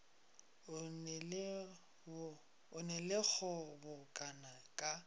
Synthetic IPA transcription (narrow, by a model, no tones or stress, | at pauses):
ʊɛl | ʊnɛlɪk͡xɔbʊkʼanakʼa